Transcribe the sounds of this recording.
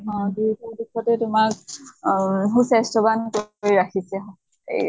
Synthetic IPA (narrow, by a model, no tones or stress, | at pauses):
ɦɔ̃dujtubikʰɔtɛtʊmak | ɦusɛstɔbankojɹakʰisɛɦɔ̃ | ḛ